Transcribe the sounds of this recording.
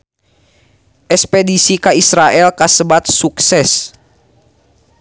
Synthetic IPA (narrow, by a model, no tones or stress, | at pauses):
ʔɛspɛdisikaisɾaʔɛlkasəbat̪̚suksɛs